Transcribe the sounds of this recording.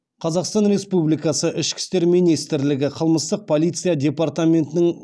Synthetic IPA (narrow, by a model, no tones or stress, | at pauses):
qʰɑzɑqst̪ɑnɾe̞spublijkɑsəʔɪʃkʲɪ̥st̪eɾmijnijst̪ɪɾlɪɡʲɪqʰəlˠməst̪əq̚pʰo̞lijt̪sɨijad̪ʲe̞part̪amʲe̞nt̪ɪnɪŋ